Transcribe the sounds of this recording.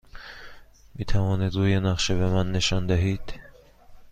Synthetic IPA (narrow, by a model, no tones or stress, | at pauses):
mit̪ʰævɒːniːd̪ɾuːjenæqʃebemænːeʃɒnd̪æɦiːd̪̥